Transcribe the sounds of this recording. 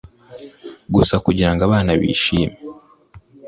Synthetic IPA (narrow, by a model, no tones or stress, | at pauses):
ɡusakuɟiɾaŋɡaβaːnaβḭːʃiːme